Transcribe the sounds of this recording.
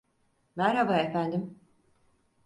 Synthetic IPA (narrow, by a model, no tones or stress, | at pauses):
mæɾhabaefænd̪im